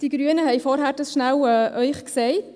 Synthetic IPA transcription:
d̥iɡ̥ɾyənəɦɛɪfɔɾɦæːɾd̥ɑsʃnæwɛʔœʏχksɛɪ

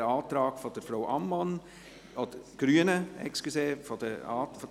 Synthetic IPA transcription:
əɑːt̪ɾɑːɡ̥fɔd̥əɾfraʊʔɑmːɑn | ɔd̥əɡ̥ɾyənəɛ̰kskuseːfɔd̥əɑːfɔ

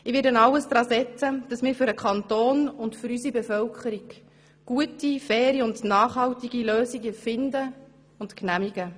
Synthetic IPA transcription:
ɪʋɪːdɛnɑləsd̥̪ɾɑːsɛt͡səd̥ɑsmɪːɾfʏɾəkχɑntoːnʊndfʏɾysibɛfœlkχəɾiɡ | ɡ̥uətifɛːɾiʊndnɑːχhɑltiɡiløːsiɡɛfɪndə | ʊntknæmiɡ̥ə

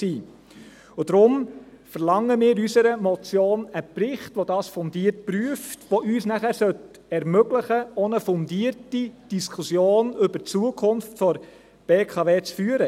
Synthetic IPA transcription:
siː | ʊdɾʊm | fəɾlɑŋːəmɪːɾysəɾəmɔt͡sjoːnəprɪχtʋodɑːsfɔndiːəɾt̚pɾyəftʋoʔyːsnæχæɾsœt | ɛɾmøɡləχəɔnəfɔndiːərtid̥iskʰusjoːnɵbəɾt͡suəkʰʊnftfɔɾ | b̥eːkʰɑveːt͡sfyːəɾə

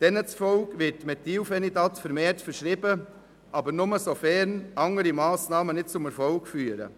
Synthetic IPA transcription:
d̥ɛnət͡sfɔlkʋɪtːmɛtiwfɛnidɑt̪fəɾmeːtfəɾʃɾɪbə | ʔɑbəɾnʊməsofɛɾnɑŋəɾimɑːsnɑːmənɪt̚t͡sʊmɛɾfɔlkfyːəɾə̰

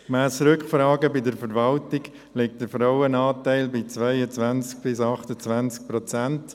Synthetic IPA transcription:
kmæːsɾʏkχfɾɑːɡəbɪdəɾfəɾvɑltɪɡ̥ | lɪk̚t̚d̥əɾfɾaʊənɑːtæɪlbɪt͡svaɪət͡sʋænt͡sk̚b̥ɪsɑχtət͡svænt͡sk̚pɾɔt͡sænt

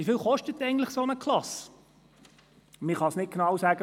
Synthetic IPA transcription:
ifɪːlˠχɔʃtət̪ːɛɪɡn̩tlɪχsonəkʰlɑs | mɪχɑsnɪt̚ɡ̥nɑwsæɡ̥ə

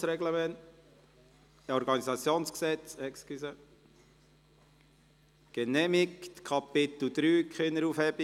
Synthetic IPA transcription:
sɾɛɡləmɛnt | ɔɾɡɑnizɑt͡sjoːnsksɛt͡sɛkskysə | ɡ̥enɛmikt̪kʰɑpɪt̪l̩ud̪̥ɾyːkχɪnːəɾufhɛbi

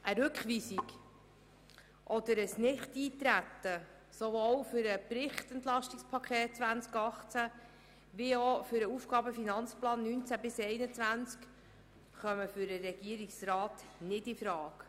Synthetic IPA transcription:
ʔəɾʉkχʋiːsik | ʔɔd̪əɾəsnɪχtiːt̪ɾæt̪ːə | sovoːwfʏɾəpɾɪχt̪ɛnt̪lɑʃtikspʰɑkχɛːt̚t͡sʋænt͡skɑχt͡sæ | ʋiofʏɾəufɡɑːbəfinɑnt͡splɑːnːynt͡sæbɪsɛɪnət͡svænt͡sk | χœməfʏɾəɾɛɡ̥iəɾiksrɑːt̪nɪdɪfɾɑːk

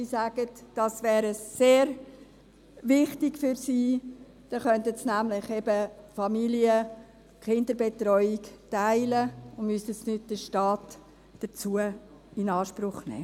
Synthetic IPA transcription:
isæɡ̥ətd̥ɑsʋɛːɾəseːɾ | vɪχtɪɡfyɾsiː | d̥ɑχœntətsnæmlɪχɛbəfɑmiliə | kχɪndəɾbetɾɔʏiktaɪləʊnmystəsnʏdd̥əʃtɑːt | d̥ət͡suə | ɪnɑːʃpɾʊχnɛ̰ː

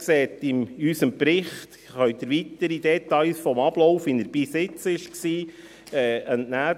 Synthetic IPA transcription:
ksɛːt̪ɪmysəmpɾɪχt̪ | χœʏd̪əɾʋit̪əɾid̪ɛt̪ɑɪlsfɔmɑb̥lɔwfinəɾb̥isɪt͡sɪʃksiː | ɛənnæː

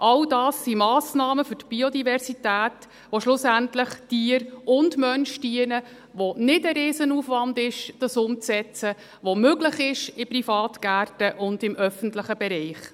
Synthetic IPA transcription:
ʔɑldɑːsːimɑːsnɑːməfʏtb̥iɔdivɛɾsitæːt | ʋoʃlʊsæntləχtiəɾʊndmœnʃtiənə | ʋonɪdəɾeːsənuːfʋɑndɪʃd̥ɑsʊmt͡sɛt͡sə | ʋomøɡləχɪʃɪprifɑːtɡ̥æːrtəʔʊndɪmʔœfəntləχəbɛɾɛɪχ

